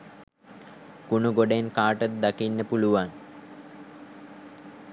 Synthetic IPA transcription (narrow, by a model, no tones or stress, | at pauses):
kunuɡoɖenkaːʈət̪̚d̪akinːəpuluʋan